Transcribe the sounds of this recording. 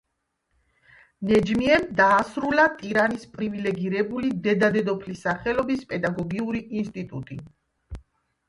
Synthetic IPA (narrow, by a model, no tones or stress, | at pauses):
nɛd͡ʒmiɛnd̪aːsɾulat̪ʼiɾanispʼɾivilɛɡiɾɛbulid̪ɛd̪ad̪ɛd̪ɔpʰlisaχɛlɔbispʼɛd̪aɡɔɡiuɾiinst̪ʼit̪ʼut̪ʼi